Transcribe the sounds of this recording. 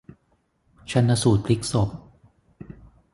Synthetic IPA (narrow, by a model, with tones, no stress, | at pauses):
t͡ɕʰa˦˥nːʔa˧suː˨˩t̪̚ʰli˦˥k̚so˨˩p̚